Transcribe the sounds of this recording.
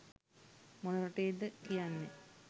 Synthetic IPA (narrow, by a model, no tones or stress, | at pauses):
monoɾɐʈeːd̪əkijanːe